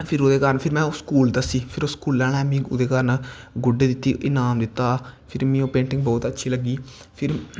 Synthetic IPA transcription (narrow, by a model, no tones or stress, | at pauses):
pʰɪɾoːd̪eːkaːɾənpʰɪɾmɛ̃ːskuːld̪əsiːpʰɪɾoskuːlːɛːɽ̃ɛːmĩːʊ̰d̪eːkəɾn | ɡʊɖeːd̪ɪt̪ːiːʔɪnaːmd̪ɪt̪ːaːpʰɪɾmĩːõːpẽːɳʈɪŋɡbɔːt̪ətːʃʰiːləɡiːpʰɪɾ